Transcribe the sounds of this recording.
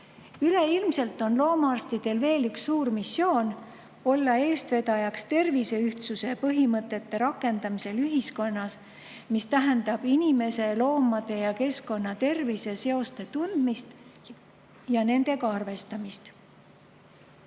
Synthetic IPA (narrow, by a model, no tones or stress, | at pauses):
yle̞ilmse̞lt̪ːˑo̞nlo̞ːmɑɑrst̪id̪̥e̞lve̞ːlyksːuːɾmisːo̞ːn | o̞lːɑe̞ːst̪ve̞d̪ɑjɑkst̪e̞rvise̞yht̪suse̞pɤɦimɤt̪ˑːe̞t̪ːe̞ɾɑkːˑe̞nd̪̥ɑmise̞lyɦisko̞nːɑs | mist̪æɦend̪̥ɑb̥inime̞se̞lo̞ːmɑd̪̥e̞jɑke̞sko̞nːɑt̪e̞rvise̞se̞o̞st̪e̞t̪und̪̥mist̪ | jɑne̞nd̪̥e̞kɑɑrve̞st̪ɑmist̪